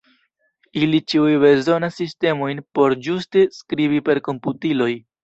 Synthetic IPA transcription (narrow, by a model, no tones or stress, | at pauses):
ilit͡ʃiujbe̞zo̞nasːiste̞mo̞jnpo̞ɾd͡ʒuste̞skɾibipe̞ɾko̞mputilo̞j